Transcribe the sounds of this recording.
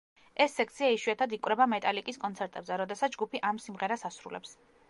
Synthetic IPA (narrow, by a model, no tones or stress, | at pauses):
ɛsːɛk̚ʰt̪sʰiaiʃwiat̪ʰad̪ikʼwɾɛbamɛt̪ʼalikʼiskʼɔnt̪sʰɛɾt̪ʼɛbzɛɾɔd̪ɛsat̪sʰd͡ʒɡupʰiʔamsimʁɛɾasasɾulɛ̰ps